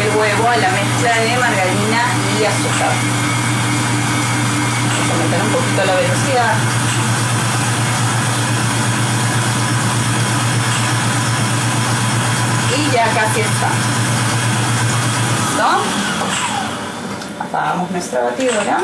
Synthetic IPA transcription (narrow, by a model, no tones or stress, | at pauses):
elɣweβoalamesklaðemaɾɣaɾina | iasut̪a | esomet̪aɾumpokit̪olaβelosiðað | iʝakasjesta̰ | no | a̰pa̰ɣamosnwest̪ɾaβat̪iðoɾa